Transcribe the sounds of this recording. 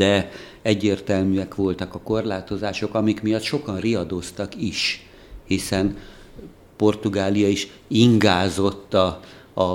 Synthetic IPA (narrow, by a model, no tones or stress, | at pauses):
d̪̥ɛ | ɛɟːeːrt̪ɛlmyɛkʋo̞lt̪ɒkɒko̞rlaːt̪o̞zaːʃo̞kɒmikmijɒt̪ʃo̞kɒnriɒd̪o̞st̪ɒkiʃ | hisɛn | po̞rt̪uɡaːlijɒiʃ | iŋɡaːzo̞t̪ːɒː